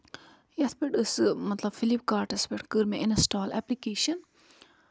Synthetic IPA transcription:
jɐt̪ʰbeʈɨsmɐt̪lɐbfilip̚kaːɾʈɐspeʈkɨɾmeʔɪnɐsʈaːlɛ̰ːplikeːʃɐn

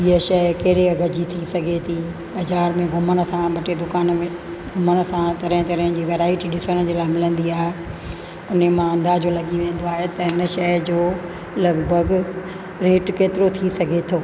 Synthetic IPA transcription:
iəʃɐkɐɦɾeɐɡʱɐd͡ʑit̪ʰisɐɡʱet̪ʰi | bɐzaːɾmẽɡʱʊmənə̆sãɓɐʈed̪ʊkaːnmẽ | ɡʱʊmənsãt̪ɐɾə̃ɪ̃t̪ɐɾə̃ɦɪ̃d͡ʑiːʋeːɾaːɪʈiɗɪsəɽ̃d͡ʑeːlaːɪmɪlə̃nd̪iaːɦe | ʊnemãɐ̃nd̪ad͡ʑoːlɐɠiʋẽːn̆d̪oaːɦet̪ɐɦɪnə̆ʃɐd͡ʑoː | lɐɡbʱəɡ | ɾeːʈkeːt̪ɪɾot̪ʰisɐɡʱet̪ʰoː

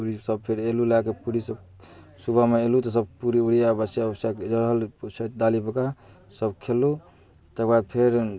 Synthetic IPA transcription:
ɾisəb̚pʰeɾelulakepuɾisəb̚ | subʱameelut̪ɔsəb̚puɾiuɽijabəsjabəsaked͡ʒəɾɦəlsət̪̚d̪alibəka | səbkʰelːu | t̪əkbad̪̚pʰeɾ

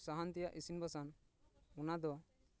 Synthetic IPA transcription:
saɦant̪ijaʔisinbasan | unad̪ɔ

